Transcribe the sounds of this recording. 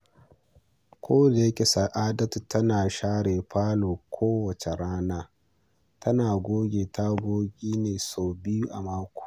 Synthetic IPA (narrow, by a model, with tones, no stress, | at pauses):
kʷʰoː˦da˨jɐ˦kʲe˨sɐ˨ʔaː˦dɐ˦tu˨tɐ˦naː˨ʃaː˦ɽeː˨ɸaː˦loː˨kʷʰoː˦wɐ˨t͡ʃe˨ɽaː˦naː˦ | tʰɐ˦naː˨ɡʷoː˦ɡʲeː˨ta˦ɡʷoː˦ɡʲiː˦neː˨soː˨bɪ˦ju˦ʔa̰˨maː˦kʷu̥ː˨